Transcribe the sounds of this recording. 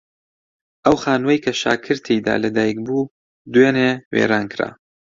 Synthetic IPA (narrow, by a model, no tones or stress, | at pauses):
ʔɐwxaːnwɐjkʰɐʃa̰ːkʰɨɾt̪ʰejd̪a̰ːlɐd̪aːjk̚buː | d̪weːnewḛɾaːnkʰɾa̰ː